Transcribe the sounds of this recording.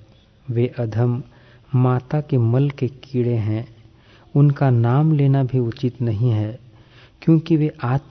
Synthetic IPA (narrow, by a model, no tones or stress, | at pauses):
ʋeːʔɐd̪ʱəmː | aːt̪akemɐlkekiːɽeɦɛ̃ː | ʊnkanaːmleːnabʱiʊt͡ʃɪt̪nɐɦĩɦɛː | kjõːkiʋeʔaːt̪